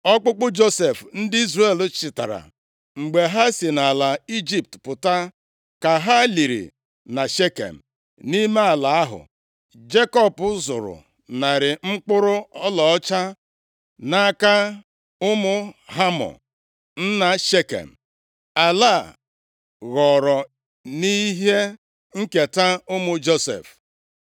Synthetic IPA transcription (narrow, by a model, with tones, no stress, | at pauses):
ɔ˦k͡pʊ˦k͡pʊ˦d͡ʒo˦se˨fn̩˦dɪ˦i˦zre˦˨lt͡ʃɪ˨ta˨ɾa̰˨ | ŋ͡m̩˨ɡ͡be˨ɦa˦si˨na˨la˨i˦d͡ʒi˦p̚tpʊ˨ta˦ | ka˨ɦa˦li˨ɾḭ˨ | na˨ʃe˦kḛ˨m̩˨ | ni˦me˦a˨la˨a˦ɦʊ̰˨ | d͡ʒe˦kɔ˦pʊ˦zʊ˨ɾʊ̰˨ | na˨ɾɪ˨ŋ͡m̩˦k͡pʊ˦ɾʊ˦ɔ˦lɔ˨ɔ˦t͡ʃa˦ | na˦ka˦ | ʊ˦mʊ˦ɦa˦mɔ̰˨ | n̩˦na˨ʃe˦kḛ˨m̩˨ | a˨la˦˨ | ɣɔ˨ɾɔ˨ | ni˦ɦe˦ | ŋ̩˦ke˨ta˦ʊ˦mʊ˨d͡ʒo˦sḛ˨f